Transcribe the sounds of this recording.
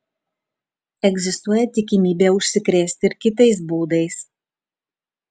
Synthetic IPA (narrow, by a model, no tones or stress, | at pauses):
ɛɡʲzʲɪst̪uɔjɛt̪ʲɪkʲɪmʲiːbʲeːʊʃʲsʲɪkɾʲeːsʲt̪ʲɪɪɾkʲɪt̪ɐɪs̬buːd̪ɐɪs